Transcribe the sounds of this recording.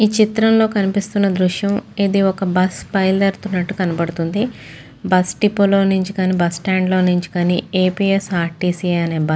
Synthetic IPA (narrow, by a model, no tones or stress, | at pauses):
iːt͡ʃit̪ɾɐmlo̞ːkɐnipist̪unːɐd̪ɾuʃjɐmid̪iɔkɐbɐspɐjld̪ɐɾt̪unːɐʈːukɐnɐbɐɽut̪und̪i | bɐsʈipolo̞ːnuɲt͡ʃi̥kaːniːbɐsʈaːɳɖlo̞ːnuɲt͡ʃi̥kaːnieːpiːesaːɾʈːiːsiːɐne̞ːbɐ